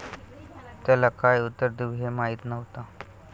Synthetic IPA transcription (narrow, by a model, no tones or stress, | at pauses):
t̪jalakajut̪ːəɾd̪iʋɦemaɦiːt̪nəʋt̪a